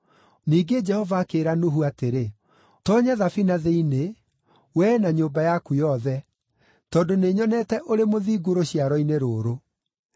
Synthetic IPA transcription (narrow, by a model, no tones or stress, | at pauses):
niːɡed͡ʒɛhɔvaːkeːɾanoɦuateɾe | tɔɲaðafinaðeine | wɛnaɲoːmbajakujɔðɛ | tɔːndoneːɲɔnɛtɛʔoɾemoðiːɡoɾoɕiaɾɔineɾoːɾo